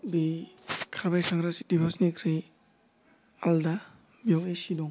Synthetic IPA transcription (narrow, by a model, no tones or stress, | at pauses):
bikʰaɾbajkʰaŋɾasi̥dibɔsnikʰɾi | alda | mijɔwesidɔŋ